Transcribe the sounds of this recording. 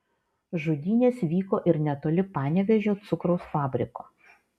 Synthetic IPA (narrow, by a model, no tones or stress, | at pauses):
ʒʊd̪ʲiːnʲeːsʋʲiːkoːʔɪɾnʲɛt̪oːlʲɪpɑːnʲɛʋʲɛʒʲoːt̪sʊkɾɒʊsfɑːbʲɾʲɪkoː